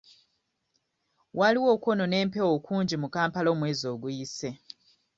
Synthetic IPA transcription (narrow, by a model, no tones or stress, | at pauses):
waliwo̞ːko̞no̞ne̞ːmpe̞wo̞ːkʰuːɲɟimukaːmpalo̞ːmwe̞ːzo̞ːɡujise̞